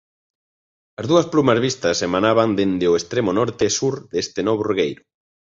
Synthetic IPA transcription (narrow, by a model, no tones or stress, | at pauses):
ɐzðuɐsplumɐzβ̞ist̪ɐsemanaβand̪end̪eoest̪ɾemonɔɾt̪esuɾðest̪ɪnɔβoruɣejɾʊ